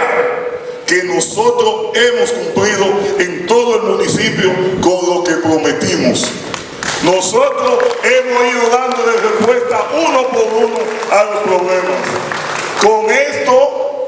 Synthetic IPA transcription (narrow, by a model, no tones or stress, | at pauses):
kenosot̪ɾosemoskumpliðoent̪oðoelmũnisipjokoŋlokepɾomet̪imos | nosot̪ɾosemosiðoðand̪oðerespwe̞st̪aʔunopoɾunoalospɾoβlemas | koŋest̪o